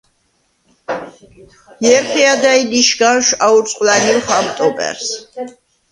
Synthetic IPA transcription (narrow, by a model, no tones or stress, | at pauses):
mɛɾχʰɛad̪ailiʃɡaʃauɾt̪sʼqʼlanilχamt̪ʼɔpʼɛ̰ɾs